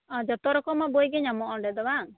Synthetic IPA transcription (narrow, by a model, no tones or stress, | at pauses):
ɔ̃d͡ʒɔt̪ɔɾɔkɔmabojɡɛɲamɔʔɔɖɛd̪ɔbaŋ